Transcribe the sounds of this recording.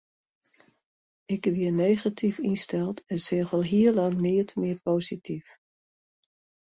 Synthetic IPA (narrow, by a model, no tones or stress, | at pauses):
ʔɪkʋiənejχatʰifinstɛlˠtʰɛnseːχəlˠɦiəlɑŋnɪətmɪəɹpoːzitif